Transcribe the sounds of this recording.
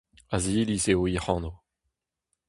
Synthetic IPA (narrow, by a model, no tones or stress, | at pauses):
aziliseoiχɑ̃ːno